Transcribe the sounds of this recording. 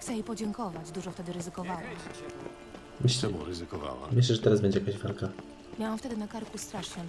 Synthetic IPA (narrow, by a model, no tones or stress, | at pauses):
t̪ɛjejpɔd͡ʑɛŋkɔvad͡ʑd̪uʐɔft̪ɛd̪ɘɾɘzɘkɔvawam | mɘɕlɾzɘkɔva̰wa̰mɘɕ̬lɛʐɛt̪ɛɾazbɛɲd͡ʑɛjakaʑvalka | mʲjawamft̪ɛd̪ɘnakaɾkust̪ɾaʂɲɛ